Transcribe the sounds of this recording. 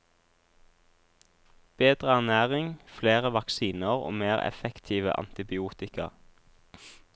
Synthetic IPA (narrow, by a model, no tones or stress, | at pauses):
b̥eːd̪ʁəæʁnæːʁɪŋfleːʁəʋɑksiːnəʁo̰ːmeːʁɛ̰fɛkt̪ʰiːʋə̰ʔɑ̰nt̪ɪbɪuːt̪ɪkɑ̰ʁ